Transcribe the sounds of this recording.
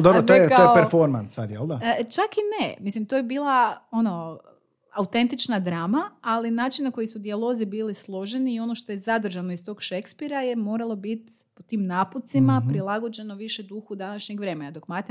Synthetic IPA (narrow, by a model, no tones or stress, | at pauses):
d̪obɾot̪ojetkaojepeɾfoɾmansːad̪jelˠd̪at͡ʃakinemislimt̪ojebiːlˠao̞no̞ | awt̪e̞nt̪it͡ʃnad̪ɾaːmaːlinaːt͡ʃinnako̞jisud̪ialˠo̞zibiːlislˠo̞ʒeniːo̞no̞ʃt̪o̞jezad̪r̩ʒano̞ist̪o̞ːɡʃekspiɾajemo̞ːɾalˠo̞bit̪ | pot̪iːmnaːput̪simapɾilˠaɡo̞d͡ʒe̞no̞ʋiʃed̪uxud̪anaʃɲekʋɾe̞ːmenad̪okmat̪e